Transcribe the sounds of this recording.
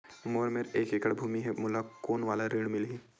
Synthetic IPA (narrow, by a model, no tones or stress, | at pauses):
moːɾmeɾeːkekəɽbʱuːmiɦɛmʊlakoːnʋaːlaɾiːɽ̃mɪlɦiː